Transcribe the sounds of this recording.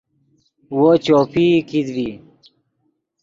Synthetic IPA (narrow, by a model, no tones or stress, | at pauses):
wot͡ɕoːpikid̪bi